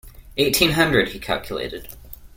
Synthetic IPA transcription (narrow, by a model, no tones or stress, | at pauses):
eɪtʰĩnɦʌ̃ndɹɨd̥̚hikʰa̰lˠkʰjəlḛɪɾɪd̥